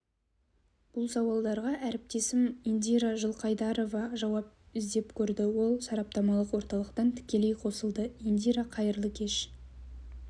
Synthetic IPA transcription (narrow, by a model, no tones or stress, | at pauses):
b̥ʊlˠsɑwɑlˠd̪ɑɾʁɑʔæɾɪp̚t̪e̞sɪmind̪ʲijɾaʒəlˠqʰɑjd̪ɑɾo̞vɑʒɑwɑp̚ɪzd̪e̞pkʲʰɵɾd̪ɪwo̞lˠsɑɾɑp̚t̪ɑmɑlˠəqwo̞ɾt̪ɑlˠəqt̪ɑnt̪ʰɪ̥kʲe̞le̞jqʰo̞səlˠd̪əind̪ʲiɾɑqʰɑjəɾlˠəkʲʰe̞ʃ